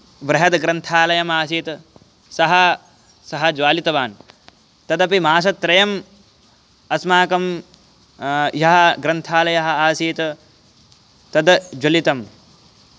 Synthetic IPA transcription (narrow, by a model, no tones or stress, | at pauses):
ʋɾɐɦɐd̪ɡɾɐnt̪ʰaːlɐjɐmaːsiːt̪ | sɐɦɐ | sɐɦɐd͡ʒʋaːlit̪ɐʋaːn | t̪ɐd̪ɐpimaːs̬ɐt̪ːɾɐjɐm | ɐsmaːkɐm | jɐɦɐɡɾɐnt̪ʰaːlɐjɐɦɐ̆aːsiːt̪ | t̪ɐd̪d͡ʒɐlit̪ɐm